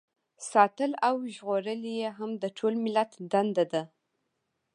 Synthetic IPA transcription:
sɑt̪əlawʒɣoɾəlijeɦamd̪əʈʰolmɪlat̪d̪and̪ad̪a

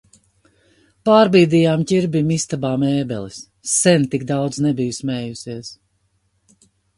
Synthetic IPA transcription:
paːɾbiːd̪iːjaːmcʲiɾbimist̪abaːmɛːbɛ̰lˠisː | ɛnt̪ikd̪awd̪znɛbijusmɛːjusiɛs

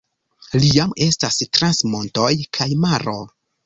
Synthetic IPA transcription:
lijame̞stastɾansmo̞nto̞jkʰajmaɾo̞

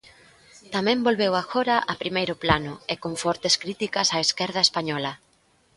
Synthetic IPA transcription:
t̪amɛ̃mbolβewaxɔɾɐʔapɾimejɾʊplanʊɪkoɱfɔɾt̪eskɾit̪ikɐsaeskɛɾð̞ɐespaɲɔlɐ

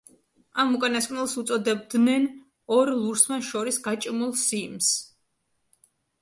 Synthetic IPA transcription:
amukʼanaskʼnɛlˠsut̪sʼɔd̪ɛb̚d̪nɛn | ɔɾlˠuɾsmaʃɔɾisɡat͡ʃʼmulˠsims

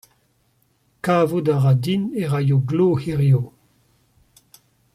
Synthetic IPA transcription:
kaːvudaʁad̪ineʁajoɡloːhiʁjo

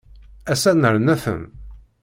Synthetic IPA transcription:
æsænəɾnæθə̰n

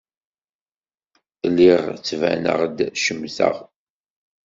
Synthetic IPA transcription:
lːiʁt͡sːvæ̰nə̰ʁd̪ʃəmːθə̰ʁ

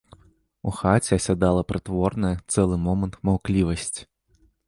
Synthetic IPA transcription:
uxat͡sʲɛɐsʲad̪alˠɐpɾɨt̪vɔrnɐjɐt̪sɛlˠɨmɔmɐnt̪mawklʲivɐsʲt͡sʲ

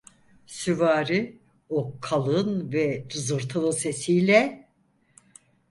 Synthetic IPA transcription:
syvaːɾi | okʰalˠɯnvɛt̪ʰɯzɯɾt̪ʰɯnˠɯnse̞sijlʲɛ

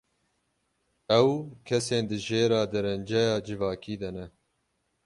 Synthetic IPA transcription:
ɛwkʰɛseːnd̪ɨʒeːɾɑːd̪ɨɾɛnd͡ʒɛjɑːd͡ʒɨvɑːkiːd̪ɛnɛ

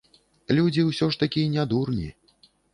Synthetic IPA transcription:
lʲud͡zʲiwsʲɔʂt̪akʲinʲad̪urnʲi

